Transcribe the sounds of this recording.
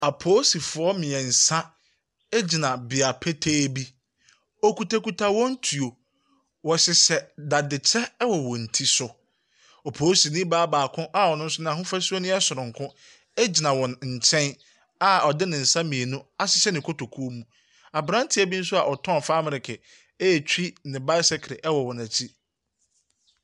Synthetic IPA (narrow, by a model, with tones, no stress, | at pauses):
a˨pʰoː˦si˨fʊ˨ɔ˦mɪ̃˨ɛ˨n̩˨sã˦ | ɛ˦d͡ʑi˨nã˨bɪ˨a˨pʰɛ˦tʰeː˦bi˦ | ɔ˨ku˨tʰa˨ku˨tʰa˨wɔ̃˦n̩˦tʰu˨o˨ | wɔ˨ɕɪ˨sɛ˨da˨dɪ˨t͡ɕʰɛ˦wɔ˨wɔ̃˨n̩˨tʰi˦sʊ˨ | ɔ˨pʰoː˨˦si˨nɪ̃˦baː˦baː˨kʰʊ̃˦ʔa˦˨ɔ˨nʊ̃˦n̩˦sʊ˦nã˦˨ɦʊ̃˦fa˦su˦ɔ˦nɪ̃˦ɛ˦sʊ˨ɾʊ̃˨ŋ̩˨kʰʊ̃˦ | ɛ˦d͡ʑi˨nã˨wɔ̃˨nɲ̩˨t͡ɕʰɛ̃˦n | a˨ɔ˨dɪ˦nɪ̃˨n̩˨sã˦mĩ˨e˨nũ˦a˦sɪ˦sɛ˦nɪ̃˨kʰo˦tʰo˨kʰu˦o˦mũ˦ | a˨bɾã˦n˦tʰɪ˨˦æ˨bi˦n̩˦sʊ˦a˨ʔɔ˨tʰɔ̃˦˨faː˦mɪ̃˦˨ɾɪ˨kʰɪ˨ | ɛ˦jɛ˨t͡ɕᶣi˦nɪ̃˨ba˦ɪ˦sɛ˦kʰɾɪ˨ʔɛ˦wɔ˨wɔ̃˨næ˨t͡ɕʰi˦